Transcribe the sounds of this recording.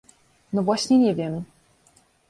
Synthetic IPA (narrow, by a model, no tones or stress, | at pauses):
nɔvwaɕɲɛɲɛvʲjɛm